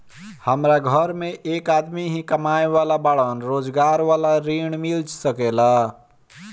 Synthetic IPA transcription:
həmɾaɡʱəɾmẽʔeːkaːd̪miɦĩkəmaːeʋaːlabaɭənɾoːd͡ʒɡaːɾʋaːlaɾiːɳ̃mɪld͡ʒsəkeːla

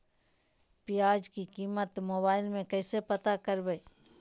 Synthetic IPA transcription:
pijaːd͡ʒkikiːmət̪moːbaːɪlmẽkɛːsepɐt̪akəɾbeː

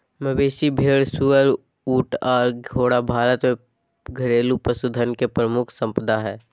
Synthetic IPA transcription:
məbeːʃibʱeːɽsuəɾ | uːʈɔːɾɡʱoːɽabʱaːɾət̪mẽ | ɡʱəɾeːlupəsʊd̪ʱənkepɾəmʊkʰsə̃mpəd̪ʱaɦɛː

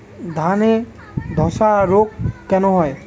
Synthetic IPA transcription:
d̪ʱane | d̪ʱɔsaɹokːɛnɔɦɔj

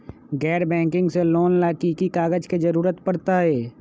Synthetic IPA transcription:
ɡɛːɾbɛ̃ːŋkɪ̃ŋɡseloːnlaːkikikaːɡəd͡ʒked͡ʒəɾuːɾət̪pəɾt̪aɦɛː

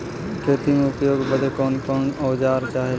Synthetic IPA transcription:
kʰeːt̪imẽʊpjoːɡbəd̪ʱekoːnkoːnoːd͡ʒaːɾt͡ʃaːɦe

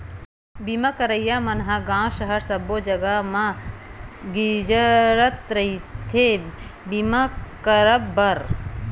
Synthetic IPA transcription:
bimakəɾəjamɐnɦaɡãːʃɐɦəɾsɐbod͡ʒɐɡamã | ɡid͡ʒəɾət̪ɾɐɦit̪ʰebimakəɾəbbɐɾ

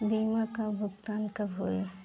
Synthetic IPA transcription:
biːmakabʱʊkt̪aːnkɐbɦoːe

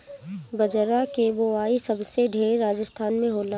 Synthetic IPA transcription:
bəd͡ʒɾakeʋoaːisəbseɖʱeːɾːaːd͡ʒəst̪ʰaːnmẽɦoːla

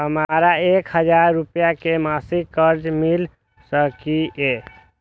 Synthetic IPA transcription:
ɦəmɾaekɦəd͡ʒaɾːupjakemasiɡkəɾd͡ʒmil | səkie

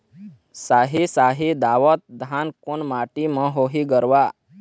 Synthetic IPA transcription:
saɦisaɦid̪aʋət̪̚d̪ʱankunmaʈimə̃ɦoɦiɡəɾʋa

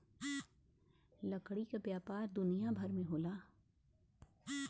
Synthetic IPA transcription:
lɐkɽikapjaːpaːɾd̪ʊnijabʱɐɾmẽɦoːlaː

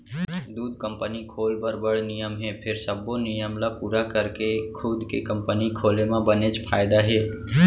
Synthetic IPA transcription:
d̪uːd̪̚kə̃mpənikʰoːlbəɾbəɽ̤nɪjəmɦɛpʰɪɾsəbːonɪjəmlapuːɾakəɾkekʰʊd̪kḛkəmpənikʰoːlemãbənet͡ʃpʰaːɪd̪aɦɛː

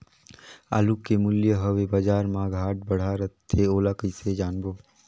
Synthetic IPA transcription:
a̰lukːemʊljəɦəʋebad͡ʒaːɾmãɡʱaːʈ̚bəɽ̤aːɾət̪ʰːeoːlakəised͡ʒaːnboː

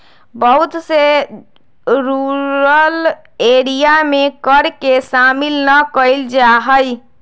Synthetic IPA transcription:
bəɦut̪se | ɾuɾəl | eɾijamekəɾkesamilnəkəɪld͡ʒaɦəj

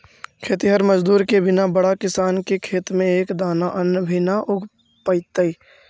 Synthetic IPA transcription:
kʰeːt̪iɦəɾməd͡ʒd̪uːɾkebɪnabəɽakɪsaːnkekʰeːt̪mẽeːkd̪aːnaʔənəbʱinaʔʊɡʱ | pəɪt̪əi

